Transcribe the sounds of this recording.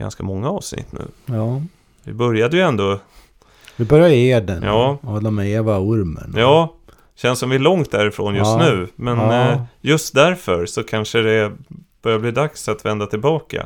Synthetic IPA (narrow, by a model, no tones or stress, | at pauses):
ɡa̰nskamɔŋːaɑːvsnɪ̰t̪ːnʉ̟̰ː | vɪ̰bœɾjad̪əjɵɛnd̪oː | d̪ɪbœɾjaeːd̪ənjɑːhɔlːamɛeːvaʊɾmə̰njɑː | ɕɛnsɔmvɪælɔŋt̪̚d̪æɾɪfɾoːnjɵst̪nʉ̟ːmɛnjɵst̪d̪æɾfœɾsɔkʰanʂəd̪ɛb̥œɾjabliːd̪aksat̪vɛnd̪at̪ʰɪlbɑːka̰